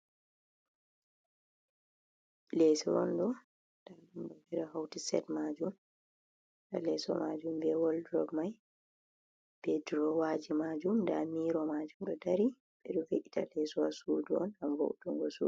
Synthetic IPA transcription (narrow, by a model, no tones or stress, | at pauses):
lɛsɔ̰ɾɔ̰nɗɔ | d̥aɾɗumbɔviɾahawtisɛ̰tmad͡ʒum | da̰lɛsɔ̰mad͡ʒumbɛwɔldɾɔ̰bmaj | b̥edɾɔwaːd͡ʒimad͡ʒumndamiɾɔmad͡ʒumɗɔdaɾi | ɓɛɗɔveʔita̰lɛsɔwasuduɔ̰nhamvo̰wtuŋɡɔsṵ